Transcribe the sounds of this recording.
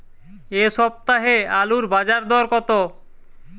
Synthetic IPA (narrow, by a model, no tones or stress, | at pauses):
eʃɔp̚t̪aɦealuɾbad͡ʑaɾd̪ɔɾkɔt̪o